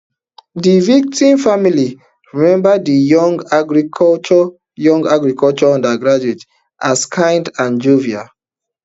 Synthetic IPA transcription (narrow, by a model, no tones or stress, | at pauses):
divik̚tĩmfamili | ɹimɛ̃mbədijɔŋɡaɡɹikʰɔt͡ʃɔ | jɔ̃ŋɡaɡɹikʰɔlt͡ʃɔɔ̃ndaɡɹad͡ʒuet | ʔaskʰãɪ̃ndãnd͡ʒuvia